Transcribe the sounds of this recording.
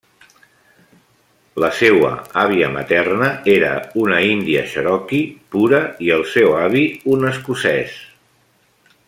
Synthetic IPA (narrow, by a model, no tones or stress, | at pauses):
ləsewə̰aβiəmə̰t̪ɛrnəeɾə̰unəind̪iə̰ʃəɾɔkipuɾəiəlˠsɛwaβiunəskusɛs